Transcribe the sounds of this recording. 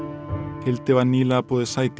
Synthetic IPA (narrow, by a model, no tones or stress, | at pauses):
elt̪eβanilapoðesajt̪